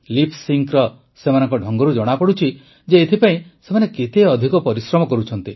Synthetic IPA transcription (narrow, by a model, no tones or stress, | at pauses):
lipʰsiŋkɾɔ | semanɔŋkɔɖʱɔŋɡɔɾud͡ʒɔɽ̃apɔɽut͡ʃʰi | d͡ʒeːt̪ʰipaĩsemanekit̪eɔd̪ʱikɔpɔɾisɾɔmɔkɔɾut͡ʃʰɔnt̪i